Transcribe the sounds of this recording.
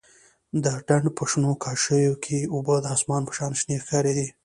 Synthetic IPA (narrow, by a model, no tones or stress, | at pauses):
d̪əɖaɳɖpʰəʂnokʰɑʃəwjokʰeubəd̪əɑsmɑnpə̥ʃɑnʃnexaɾed̪i